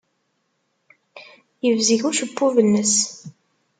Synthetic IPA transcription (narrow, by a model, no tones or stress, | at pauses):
jəvziʝuʃəpːuvənːəs